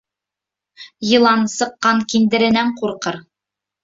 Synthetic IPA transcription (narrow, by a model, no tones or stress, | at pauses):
jɤ̆lˠɑnsɤ̆qːɑŋkind̪ɘ̆ɾɘ̆næɴquɾqɤɾ